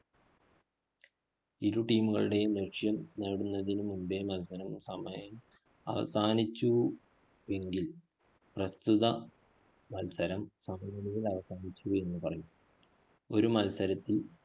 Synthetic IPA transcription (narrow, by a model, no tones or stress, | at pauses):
iɾuʈiːmuɣɐ̰ɭɨɽe̞jumneʂjɐmneːɽunːɐðinumumbemɐlsɐɾɐmsɐmɐjɐm | ɐ̰ʋɐ̰saːnit͡ɕːu | e̞ŋɡil | prɐst̪uðɐ | mɐlsɐɾɐmsɐmɐjɐlijilɐʋɐsaːnit͡ɕːue̞nːɨpɐrɐju | o̞ɾumɐlsɐɾɐt̪ːil